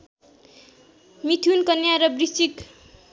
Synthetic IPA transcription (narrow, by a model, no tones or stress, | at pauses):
mit̪ʰunkʌnjaɾʌbrit͡sik